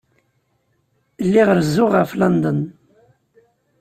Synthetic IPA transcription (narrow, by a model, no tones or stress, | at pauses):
lːiʁəɾzːʊʁəflɑnd̪ən